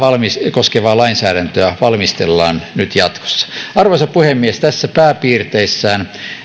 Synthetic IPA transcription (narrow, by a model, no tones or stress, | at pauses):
ʋɑlmiskoskeʋɑːlɑinsæːɾænt̪øæʋɑlmist̪elːɑ̰ːnnyt̪jɑt̪ko̥sːɑ̥ɑrʋosɑpuhemːiest̪æsːæpæːpiːrt̪eisːæːn